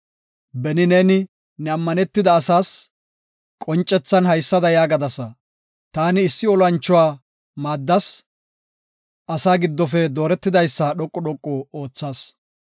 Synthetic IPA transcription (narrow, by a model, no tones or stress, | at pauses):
bɛnɪneːnɪ | nɛɐmːɐnɛt̪ːɪd̪ɐːsaːs | kʼɔnt͡ʃʼːɛt͡sːɐnhɐjsːɐd̪ɐjaːɡɐd̪ɐsɐ | t̪aːnɪːsːɪɔlɐnt͡ʃːɔwaː | maːd̪ːɐs | ʔɐsaːɡɪd̪ːɔfɛd̪o̞ːɾɛt̪ːɪd̪ɐjsːɐɗɔkʼːɔɗɔkʼːɔo̞ːt͡sːaːs